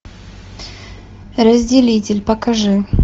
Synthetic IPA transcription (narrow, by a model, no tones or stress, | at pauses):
ɾəzʲdʲɪlʲitʲɪlʲpəkɐʐɨ